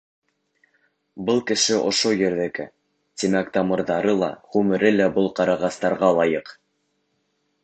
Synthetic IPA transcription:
bɤlˠkɘ̆ʃɘʔŏʃojɘ̆ɾðɘ̆kɘ̰ | t̪imækt̪ɑmɤ̆ɾðɑɾɤlˠɑ̰ʁʉmɘ̆ɾɘlæbɤlˠqɑɾɑʁɑst̪ɑɾʁɑlˠɑjɤq

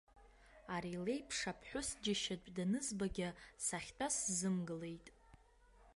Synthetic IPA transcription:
aɾile̞jpʰʂapʰħʷᶣʊsd͡ʒɪʃatʼdanɨzbaɡʲasaχʲtʼaszɨmɡɨle̞jtʼ

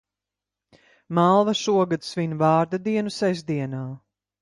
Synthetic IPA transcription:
malˠvaʃuɔɡad̪sviɲʲvaːɾd̪ad̪iɛnusɛzd̪iɛnaː

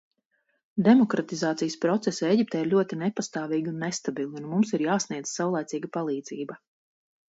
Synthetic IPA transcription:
d̪ɛmɔkɾat̪izaːt̪sijəspɾɔt̪sɛseɟip̚t̪ɛːiɾlʲuɔt̪inɛpast̪aːviːɡʲiunːest̪abilˠiunmumsiɾjaːsniɛd̪z̥sawlˠajt̪siːɡapalˠiːd̪ziːbɐ

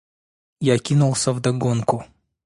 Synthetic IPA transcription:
jakʲinulˠsʲəvd̪ɐɡonkʊ

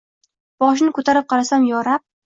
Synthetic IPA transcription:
b̥ɒʃ̬nɪkʰɵt̪ʰaɾɪp̚qʰɑɾasamjɒɾap̚

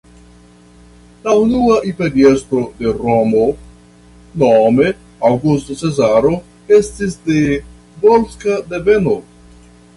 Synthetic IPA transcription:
launuaʔipedie̞stɾo̞de̞ɾomo | nome̞ | awɡustot͡se̞zaɾo̞ | e̞stisde̞ | bolskadeve̞no

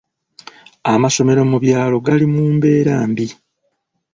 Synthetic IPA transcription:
amaʃo̞me̞ɾamuβjaːlo̞ɡalimuːmbe̞ːɾaːmbi

